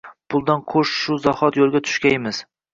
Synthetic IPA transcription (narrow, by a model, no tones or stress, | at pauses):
pʰʊlˠd̪anqʰoʃʃʊzɒhɒt̪jolˠɡʲat̪ʰʊ̥ʃkʲaemɪz̥